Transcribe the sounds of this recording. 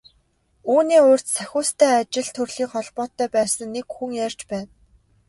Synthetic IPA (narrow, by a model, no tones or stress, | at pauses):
uːniːʊːr̥t̪sæxʲʊːst̪ʰæːat͡ɕɪ̆ɮt̪ʰɵrɮ̥iːχɔɮpɔːt̪ːœːpæːsə̆ŋːekxuŋjær̥ʲt͡ɕpæːn